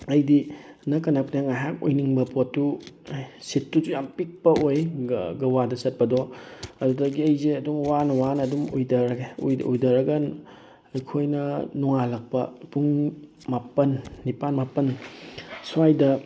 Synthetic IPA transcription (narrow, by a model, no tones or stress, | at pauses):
ɐjdinɐkɐnapʰneŋajɦak̚ojniŋbɐpʰotːu | jsitːuzujampik̚pɐojɡɐwadɐsɐt̚pɐdɔɐdudɐɡiɐjzeɐduŋwanɐwanɐːdumujdɐɾɡejujdɐɾɐɡɐn | ɐjkʰojnɐnuŋalɐk̚pɐ̰puŋ | mapɐnːipanmapɐn | suajdɐ